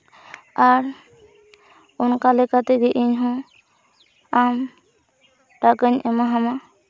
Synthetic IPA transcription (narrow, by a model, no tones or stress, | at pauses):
aɾ | ɔnkalɛkat̪ɛɡɛʔiɲɦɔ̃ | am | ʈakəɲɛmaɦama